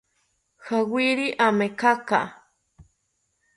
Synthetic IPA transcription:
xawiɾiʔamekaka̰

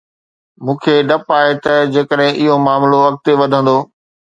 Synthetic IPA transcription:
mũːkʰeɖɐpaːet̪ɐd͡ʑeːkəɗɦɪ̃ʔɪɦomaːmloʋɐk̚t̪eʋɐd̪ʱə̃nd̪oː

